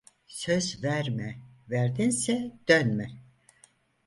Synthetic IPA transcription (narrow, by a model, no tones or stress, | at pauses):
søzvæɾmɛvæɾd̪insɛd̪̥ønmɛ